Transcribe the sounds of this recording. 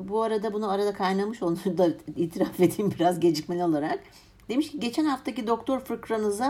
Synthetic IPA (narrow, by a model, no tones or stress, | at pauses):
buaɾad̪abunuaɾad̪akʰajnamɯʃonad̪aiːt̪ʰiɾafe̞d̪iːmbiɾazɟe̞d͡ʒicmenʲio̞lˠaɾak | d̪e̞miʃciɟe̞t͡ʃʰɛnhaft̪ʰacid̪o̞k̚t̪ʰo̞ɾfɾɯkɾanɯza